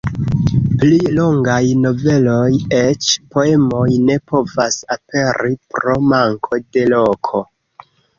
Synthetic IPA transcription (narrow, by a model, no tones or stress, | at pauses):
plilo̞ŋɡajno̞ve̞lo̞jet͡ʃpo̞e̞mo̞jne̞po̞vasape̞ɾipɾo̞maŋkʰo̞de̞lo̞kʰo̞